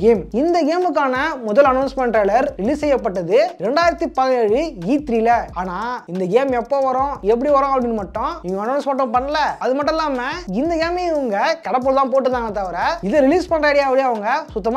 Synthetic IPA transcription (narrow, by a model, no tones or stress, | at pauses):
ɡeːmɪnd̪ɐɡeːmɯk̬ːaːnɐmʊðɐlɐnɐʊnsmɛɳʈɾɐːlɐɾɾɪliːssɛjːɐpːɐʈːɐðɯɾɛɳɖaːjɪɾɐt̪ːipɐðɪneːɻɯiːt̪ɾilɐaːnaːɪnd̪ɐɡeːmɛpːoːʋɐɾõɛp̬ːɐɽiʋɐɾõɐpɐɽɪnːɯmɐʈːʊ̃ŋɡɐnɐːnsmɐʈːʊ̃pɐɳːɐlɐɐðɯmɐʈːɛlaːmɐɪnd̪ɐɡeːmiɪʋɐŋɡɐkɐɽɐp̬ːɐlt̪ãːp̬oːʈːɯt̪ːãːŋɡɐt̪ːɐʋɐɾɐɪðɐɾɪliːspɐɳɖraːɽɪjapːɐɽiɐʋɐŋɡɐsʊt̪ːɐma